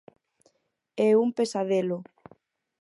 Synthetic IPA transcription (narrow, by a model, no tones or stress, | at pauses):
ɛumpesaðelʊ